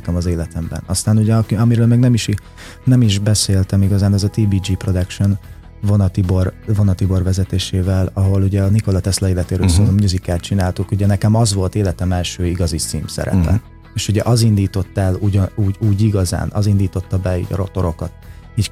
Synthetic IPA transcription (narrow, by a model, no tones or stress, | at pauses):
nkɛmɒzeːlɛt̪ɛmbɛ̰nɒst̪aːnuɟɛɒkiɒmiɾøːlmɛɡnɛmiʃi | nɛmiʒbɛseːlt̪ɛmiɡɒzaːnɛzɒt̪iːbiːd͡ʒiːpro̞d̪ɛkʃon | vo̞nɒt̪iborvo̞nɒt̪ibo̞rvɛzɛt̪eːʃeːvɛlɒɦo̞luɟɛɒniko̞lɒt̪ɛslɒeːlɛt̪eːɾøːlsoːɾomjuzikaːt̪̚t͡ʃinaːlt̪ukuɟɛnɛkɛmɒzʋo̞lt̪eːlɛt̪ɛmɛlʃøːiɡɒzit̪sḭːmsɛ̰ɾɛ̰pɛ̰ | eːʃuɟɛʔɒzind̪iːt̪o̞t̪ːɛluɟuːɟuːɟiɡɒza̰ːnʔɒ̰zind̪iːt̪o̞t̪ːɒbɛḭːɟɛ̰ɾo̞̰t̪o̞ɾo̞kɒt̪iːc